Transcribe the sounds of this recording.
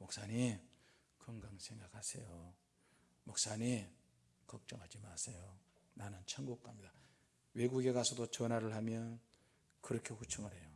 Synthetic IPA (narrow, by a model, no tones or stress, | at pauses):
mok̚s͈aɲi | kɯŋɡaŋsʰe̞ŋɡakhasʰejo | mok̚s͈aɲi | kʌk̚t͡ɕ͈ʌŋɦad͡ʑimasʰejo | nanɯnt͡ɕʰaŋɡuk̚k͈amɲida | we̞ɡuɡe̞ɡasʰʌdot͡ɕʌnɦaɾɯɭhamjʌn | kɯɾʌkʰeɸut͡ɕʰuŋɯɾe̞jo